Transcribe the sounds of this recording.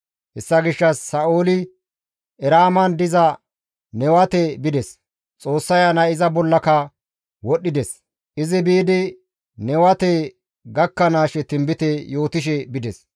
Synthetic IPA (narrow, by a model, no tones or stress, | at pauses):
hɛsːɐɡɪʃːɐsːɐʔoːlɪ | ʔɛɾaːmɐnd̪ɪzɐ | nɛwɐt̪ɛbɪd̪ɛs | t͡sʼo̞ːsːɐjɐnɐɪzɐbɔlːɐkɐ | wɔɗːɪd̪ɛs | ʔɪzɪbiːd̪ɪ | nɛwɐt̪ɛ | ɡɐkːɐnaːʃɛt̪ɪmbɪt̪ɛjo̞ːt̪ɪʃ̬ɛbɪd̪ɛs